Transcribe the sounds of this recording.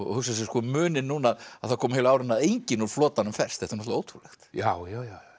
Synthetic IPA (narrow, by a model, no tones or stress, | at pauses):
ɔ̰hʏksas̬ɛskɔmʏːnɪnːuːnaðaðθaɾkʰɔːmɪeːlaːwɾɪnaðejɲcɪnuɾflɔːt̪anʏmfɛr̥st̪θɛhft̪anɔt̪aoːwt̪ʰɾulɛxt̪jawjawjawj